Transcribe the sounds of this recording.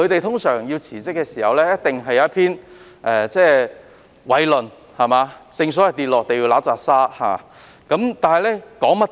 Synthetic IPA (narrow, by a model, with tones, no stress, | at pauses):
kɵ˨˧ɥt̪e˨jt̪ʰʊ˥ŋsœː˨˩ŋjiː˧wt͡sʰiː˨˩t͡sɪ˥kːɛː˧siː˨˩hɐ˨wlɛː˥jɐ˥t̚t̪ɪ˨ŋɦɐ˨jːɐ˨˦ɐ˥t̚pʰiː˥n | ʔɛː˨t͡sɛː˥˩ | wɐ˨˧jlɵ˨n | hɐ˨maː˨˧t͡sɪ˧ŋsɔː˨˥jɐ˨˩t̪iː˨t̚lɔː˨˧k̚t̪e˨jiː˧laː˨˥t͡saː˨˩k̚saː˥ha̰ː˨ | kɐ˨˧˥mt̪aː˨nhɐ˨jlɛː˥kɔː˨˥ŋmɐ˥